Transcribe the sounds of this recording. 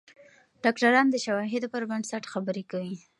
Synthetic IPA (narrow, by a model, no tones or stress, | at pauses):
ɖ̥ɑkʈaɾɑnd̪əʃawɑɦɪd̪opəɾbaɳɖsaʈxabəɾekawi